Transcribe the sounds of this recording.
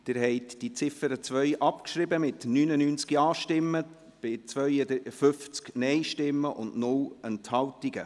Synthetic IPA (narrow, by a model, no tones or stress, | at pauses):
d̥ɪɾhɛɪtd̥it͡sɪfəɾət͡svœʏʔɑpkʃɾɪbəmɪtnyːnənyːnt͡skjɑːʃtɪmːə | b̥ɪt͡svœʏəd̪fʏft͡sknɛɪʃtɪmːəʔʊndnʊlɛnthɑltiɡə